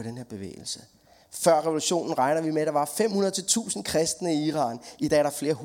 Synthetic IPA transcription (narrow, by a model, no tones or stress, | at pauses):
ɾ̥enheɐ̰b̥e̝ʋḛːɪl̩sə | fɶɐ̰ʁɛʋo̝luɕo̝̰ːnn̩ʁɑ̈ɪnɐʋimeæd̥ɑ̈ʋɑ̈fem̰hunɐðˠt͡sʰe̝lt͡sʰṵːsn̩kʰʁɛsd̥nəiiːʁɑ̰̈ːnid̥ɛ̰ːɐɾɑ̈fle̝ːɐɦ